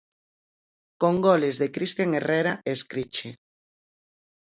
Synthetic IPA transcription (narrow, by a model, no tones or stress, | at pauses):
koŋɡolezðekɾist̪jaŋereɾaeskɾit͡ʃe